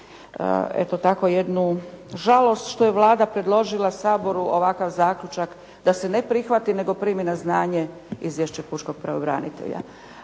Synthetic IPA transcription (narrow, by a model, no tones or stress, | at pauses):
ḛt̪ot̪ako̞je̞d̪nu | ʒalˠo̞st̪ʃt̪o̞jeʋlˠaːd̪apɾe̞d̪lˠo̞ʒilˠasaːbo̞ɾuʔoʋakaʋzaːkʎut͡ʃak | d̪ase̞ne̞pɾixʋat̪ine̞ɡo̞pɾiːminaznaːɲe̞ | izʋjeʃt͡ɕepuʃko̞ɡ̥̚pɾaobɾa̰nḭt̪ḛʎa̰